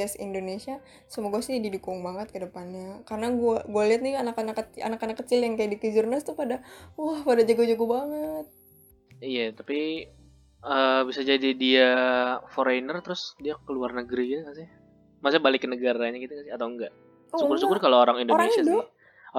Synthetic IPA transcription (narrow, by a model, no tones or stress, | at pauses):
asḭndonesia | səmoɡasɪhdidukʊŋbaŋət̪̚kədəpanɲakaɾənaɡuaɡualiɦat̪̚nianakanakːəa̰nakanakːət͡ʃɪljaŋkajadikəd͡ʒurnast̪upadawahpadad͡ʒaɡod͡ʒaɡubaŋət̪̚ | ijat̪api | əbisad͡ʒadidiafoɾajnərt̪əɾʊsdiakəluarnəɡɾiɡit̪ukasɪh | masubalɪkːənəɡaɾaɲakit̪ukasɪɦat̪awŋɡaʔ | sukʊrsukʊrkalooɾaŋindoɾaeŋɲsiadɔ